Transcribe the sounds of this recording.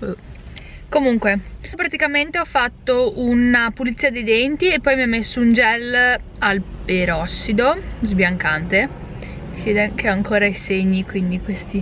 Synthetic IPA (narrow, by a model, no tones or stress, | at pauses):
komuŋkwepɾat̪ikament̪eɔfːat̪ːounapulit̪siːad̪ejd̪ent̪iepːɔjmiamːesːound͡ʒɛl | alpeɾɔsːid̪ozbjaŋkant̪e | sjeːd̪ekeɔaŋkoːɾaiseɲːikwind̪ikwest̪i